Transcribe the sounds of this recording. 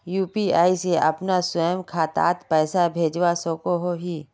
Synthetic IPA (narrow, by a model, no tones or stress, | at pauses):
juːpiaːiseʔɐ̰pnasəjəmkʰaːt̪a̰ːt̪pɛːsabʱeːd͡ʒwasõːkoɦoɦiː